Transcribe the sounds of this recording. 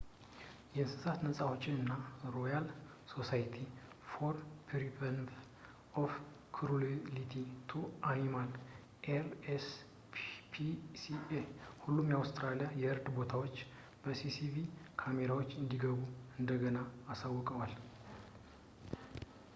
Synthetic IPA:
jɛɨnsɨsat̪nəsʼawot͡ʃʼːɪnɨnːaɾo̞jal | so̞sajt̪ʰi | foɾpʰɾipʰən | ʔof | kʰɾullit̪ʰit̪ʰuʔanimal | ʔeɾes | pʰisiehulːumjawst̪ʼɾalijajɛɨɾd̪bo̞t̪ʰawo̞t͡ʃː | b̥əsisivikʰameɾawot͡ʃːɨnd̪iɡəβuɨnd̪əɡənaːsawːɔkʼəwal

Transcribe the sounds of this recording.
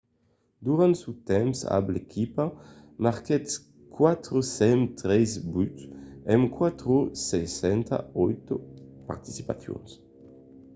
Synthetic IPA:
d̪uɾãnt̪sut̪ɛmsa̰blekʰipamaʁkɛt̪ | kwat̪ɾosɛmt̪ɾɛzbyt̪ɛmkwat̪ɾosɛsɛnt̪a̰ɔjt̪opa̰ɾt̪i̥si̥pa̰θjo̰ns

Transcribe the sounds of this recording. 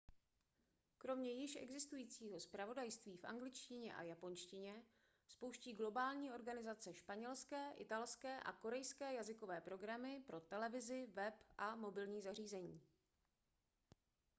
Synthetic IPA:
kɾo̞mɲɛjɪʃʔɛ̰ɡzɪst̪ujiːt͡siːɦo̞spɾavo̞dajst̪viːfʔa̰ŋɡlɪt͡ʃcɪɲɛʔa̰japo̞nʃcɪɲɛ | spo̞wʃciːɡlo̞baːlɲiːʔo̞ɾɡanɪzat͡sɛʃpaɲɛlskɛːʔɪt̪alskɛːʔa̰ko̞ɾɛjskɛːjazɪko̞vɛːpɾo̞ɡɾamɪpɾo̞t̪ɛlɛvɪzɪvɛpʔamo̞bɪlɲiːzar̝iːzɛɲiː

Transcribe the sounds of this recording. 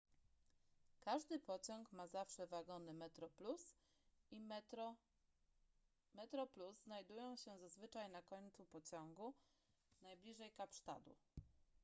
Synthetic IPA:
kaʐd̪ɘpɔt͡ɕɔŋkmazafʂɛvaɡɔnɘmɛt̪ɾɔplus | i | mɛt̪ɾɔpluzːnajd̪ujɔ̃w̃ɕɛzazvɘt͡ʂajnakɔɲʲt̪supɔt͡ɕɔŋɡu | najblʲiʐɛjkapʂt̪a̰d̪ṵ

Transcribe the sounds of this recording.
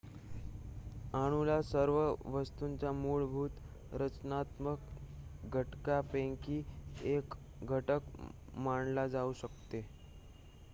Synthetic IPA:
aɽ̃ulasəɾʋəʋəst̪unt͡ɕamuɭbʱuːt̪ | ɾət͡ɕnat̪məkɡʱəʈkapẽŋkiːek | ɡʱəʈək | maɳlad͡zauɕəkt̪e

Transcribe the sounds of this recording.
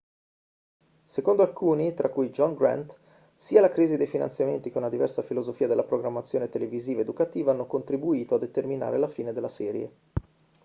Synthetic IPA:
sekond̪oalkuːnit̪ɾʔakːujd͡ʒɔŋɡɾa̰nt̪ | siːalakɾiːzid̪ejfina̰nt̪sjament̪ikeounnad̪ivɛrsafilozofiːad̪elːapɾoɡɾamːat̪sːjoːnet̪eleviziːvaed̪ukat̪iːvaanːokont̪ɾibuiːt̪oad̪ːet̪ermina̰ːɾelafiːned̪elːasɛːɾjḛ

